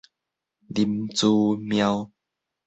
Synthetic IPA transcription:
li˧mt͡suː˧mja˧w

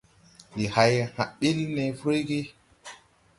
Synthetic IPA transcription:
ndi˨ha˨jha˨ɓi˦lne˨fɾo˦ɡi˦

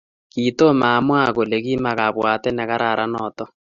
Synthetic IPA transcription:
ki˨to˦maː˨mwa˦ɣo˨le˨ɣi˦ma˨ɣa˨βwa˨tɛ˦nɛ˨ɣa˦ɾʔa˨ɾʔa˦nɔː˨tɔ˦

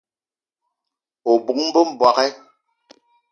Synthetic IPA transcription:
o˨bu˨m̩˦bə˦m̩˨bwa˨kɛ˦

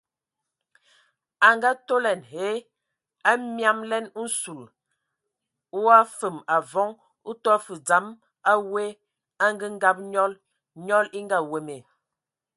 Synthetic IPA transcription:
a˨ŋɡa˦to˦lɛ˨nɦe˨˦ | a˦mja˦mlɛ˦nu˦n̩˦su˨l | wa˦fə˨ma˨vɔ˨˦ŋ | u˦tɔ˦fə˨d͡za˨˦m | a˦we˦ | a˦ŋ˦ɡə˦ŋ̩˦ɡa˦˨p̚ɲɔ˦l | ɲɔ˦li˦ŋ˦ɡa˦˨we˨me˨

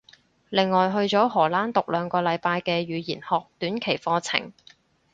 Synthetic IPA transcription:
lɪ˨ŋːɔː˨˩jɦɵ˧ɥt͡ʃɔː˨˥ɦɔː˨˩laː˥nt̪ʊ˨k̚lœː˨˧ŋkɔː˧lɐ˨˧jpaː˧jkɛː˧ɥyː˨˧jiː˨˩nhɔː˨k̚t̪yː˨˥nkʰe˨˩jfɔː˧t͡sʰɪ̰˨˩ŋ

